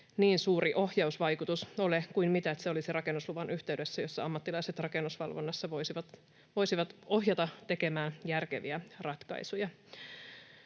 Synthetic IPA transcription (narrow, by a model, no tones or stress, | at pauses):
niːnsuːɾiʔo̞hjɑusʋɑjkut̪usolekuimmit̪æet̪seo̞lisirɑke̞nːusluʋɑnʔyht̪eɥde̞sːæjo̞sːɑɑmːɑt̪ːilɑise̞t̪rɑke̞nːusʋɑ̰lʋonːɑsːɑʋosiʋɑt̪ | ʋo̞jsiʋɑt̪o̞ɦjɑt̪ɑt̪e̞ke̞mæːnjærkeʋiærɑt̪kɑ̰isujɑ